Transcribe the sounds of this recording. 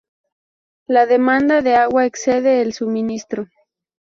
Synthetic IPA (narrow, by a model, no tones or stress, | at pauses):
laðemãnd̪aðe̞aɣwaekse̞ðeːlsuminist̪ɾo